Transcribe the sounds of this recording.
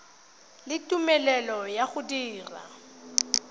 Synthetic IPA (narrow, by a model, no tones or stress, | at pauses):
lɪtʼumɛlɛlɔjaɣʊdiːra̰